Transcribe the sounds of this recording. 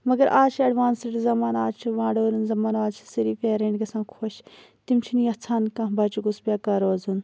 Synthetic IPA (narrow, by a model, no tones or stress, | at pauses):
mɐɡɐɾʔaːt͡ʃʰiɐɖʋaːnseʈzɐmaːnaːd͡ʒt͡ʃʰiʋãːɳɖoːɾunzɐmaːnaːdt͡ʃʰi̥siɾiːfeːɾẽːɳɖɡɐsãːkʰoʃ | t̪imt͡ʃʰiniːɐt͡sʰaːnkãːbɐt͡ʃuɡusbʲjaːkɐɾoːzun